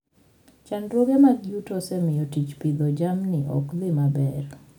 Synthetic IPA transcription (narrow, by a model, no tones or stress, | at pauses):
t͡ʃanɾwoɡemaɡjutɔsɛmɪjɔtit͡ʃpɪd̪ɔd͡ʒamnɪʔɔ̰klɪmabɛr